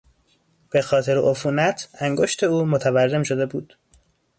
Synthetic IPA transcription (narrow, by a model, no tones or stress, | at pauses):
b̥e̞xɒːt̪ʰe̞ɾeʔofuːnæt̪ʰæŋɡo̞ʃt̪ʰe̞uːmot̪ʰæværːe̞mʃo̞d̪e̞buːd̪̥